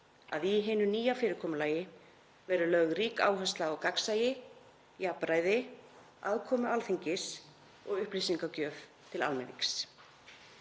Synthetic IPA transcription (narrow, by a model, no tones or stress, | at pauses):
a̰ðiɦɪːnʏniːjafɪːɾɪɾkʰɔːmʏlaːjɪ | vɛɾʏlœɣriːka̰ːwɦœst̪laɔwkaksaːjɪ | japɾaːjðɪ | aðkʰɔːmʏalθiɲcɪs | ɔɣʏhplisiŋkacœːv | t̪ʰɪla̰lmɛnḭks